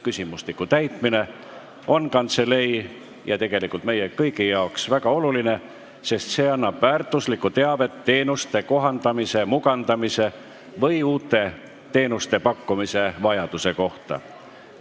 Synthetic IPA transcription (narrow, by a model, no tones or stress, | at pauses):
kysʲimuslikːˑut̪æjt̪mine̞ | o̞nkɑnt̪se̞le̞j | jɑt̪e̞ɡ̥e̞likˑult̪me̞jekɤjkijɑoksvæɡɑo̞luline̞ | se̞st̪se̞ːɑnːɑb̥væːrt̪ˑuslikːˑut̪e̞ɑve̞t̪ːe̞ːnust̪e̞ko̞ɦɑnd̪̥ɑmise̞muɡɑnd̪ɑmise̞ | vɤjuːt̪ːˑe̞ | t̪e̞ːnust̪e̞pɑkːumise̞vɑjɑd̪̥use̞ko̞ht̪ɑ̰